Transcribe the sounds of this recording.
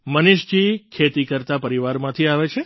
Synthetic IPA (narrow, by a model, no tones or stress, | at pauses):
məniʃd͡ʒikʰet̪ikəɾt̪apəɾiʋaɾmãt̪ʰiaʋet͡ʃʰe